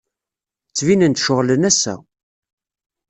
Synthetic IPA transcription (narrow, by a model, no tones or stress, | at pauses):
t͡sːvinənt̪ʃʊʁlənæsːæ̰